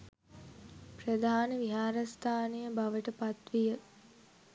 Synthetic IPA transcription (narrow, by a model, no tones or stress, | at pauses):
prəd̪ʱaːnəʋiɦaːɾast̪ʰaːnejəbaʋəʈəpat̪ʋijə